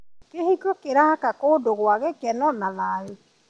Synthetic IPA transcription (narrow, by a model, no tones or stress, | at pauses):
kehiɡokeɾakakodoɣwaɣɛkɛnɔnaðaɾe